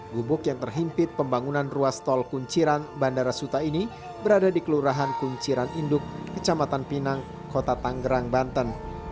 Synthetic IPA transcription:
ɡubʊkjaŋt̪ərɦimpɪt̪̚pəmbaŋunanruast̪ɔlkuɲt͡ʃiɾanbandaɾasut̪aini | bəɾadadikəluɾaɦankuɲt͡ʃiɾanindʊkːət͡ʃamat̪anpinaŋ | kot̪at̪aŋɡəɾaŋbant̪ən

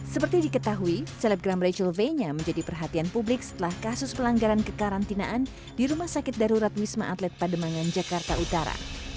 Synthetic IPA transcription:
səpərt̪idikət̪aɦuisɛlɛp̚ɡɾamret͡ʃəlveɲamə̃ɲd͡ʒadipərɦat̪ianpublɪk̚sə̥t̪əlahkasʊspəlaŋɡaɾankəkaɾant̪inaʔan | diɾumahsakɪt̪̚daɾuɾat̪wisma̰ʔat̪lɛt̪̚padəmaŋand͡ʒakart̪aut̪aɾa̰

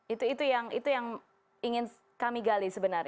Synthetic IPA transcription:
it̪uit̪ujaŋḭt̪ujaŋ | iŋɪn | kamiɡalisəbənar

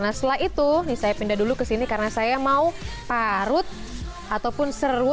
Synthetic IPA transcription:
naslait̪unisajapindadulukəsinikaɾənasajamau | paɾʊt̪̚ | ʔat̪awpʊnsərʊ

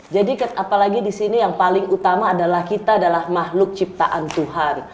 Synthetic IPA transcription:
d͡ʒadikət̪apalaɡidisinijaŋpalɪŋut̪amaːdalahkit̪aːdalahmaɦlʊk̚t͡ʃip̚t̪aʔant̪uɦan

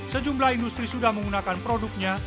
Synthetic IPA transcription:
səd͡ʒumlahindust̪ɾisudahməŋɡunakanpɾodʊk̚ɲa

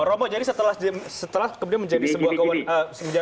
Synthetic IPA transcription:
ɾomɔd͡ʒadisət̪əlahd͡ʒsət̪əlahkəmudianməɲd͡ʒadisəbuahkawanəsəməɲd͡ʒa

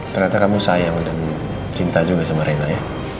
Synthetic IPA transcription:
t̪ərnat̪akamusajaŋdan | t͡ʃint̪ad͡ʒubias̬aməɾenaja

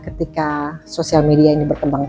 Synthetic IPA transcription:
kət̪ikasosialmediainibərkəmbaŋ

